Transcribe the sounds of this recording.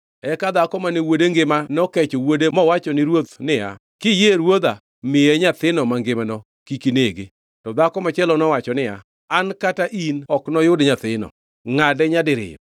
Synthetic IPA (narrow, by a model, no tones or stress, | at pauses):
ɛkad̪akɔmaniwodeŋɡɪmanɔkɛt͡ʃɔwodemɔwat͡ʃɔnɪɾwot̪nɪa̰ | kɪjeɾwod̪a | mɪjeɲat̪ɪnɔmaŋɡɪmanɔ | kikineɡɪ | tɔd̪akɔmat͡ʃɛlɔnɔwat͡ʃɔnɪa̰ | ankataʔinɔknɔjʊdɲat̪ɪnɔ̰ | ŋadɛɲadɪɾɪ̰ɔ